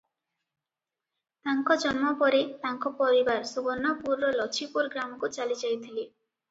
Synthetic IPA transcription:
t̪aŋkɔd͡ʒɔnmɔpɔɾet̪aŋkɔpɔɾibaɾsubɔnːapuɾːɔlɔt͡ʃʰipuɾɡɾamɔkut͡ʃalid͡ʒajt̪ʰili

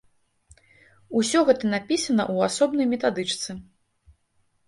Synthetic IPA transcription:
usʲɔɣɛt̪ɐnapʲisɐnɐʔuasɔbnɐjmʲɛt̪ad̪ɨt͡ʂt̪sɨ

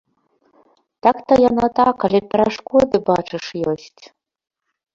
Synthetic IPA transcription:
t̪akt̪ɐjanat̪akalʲɛpʲɛɾaʂkɔd̪ɨbat͡ʂɨʂjɔsʲt͡sʲ

